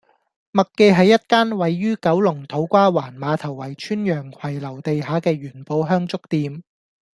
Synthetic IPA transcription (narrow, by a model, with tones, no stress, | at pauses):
mɐ˨kːe˧ɦɐ˨jːɐ˥t̚kaː˥nwɐ˨jːyː˥kɐ˨˥wlʊ˨˩ŋt̪ʰo˨˥wkʷaː˥waː˨˩nmaː˨˧t̪ʰɐ˨˩wːɐ˨˩jt͡ʃʰyː˥njœː˨˩ŋkʷʰɐ˨˩jlɐ˨˩wt̪e˨jɦaː˨˥kɛː˧ɥyː˨˩npo˧wɦœː˥ŋt͡sʊ˥k̚t̪iː˧m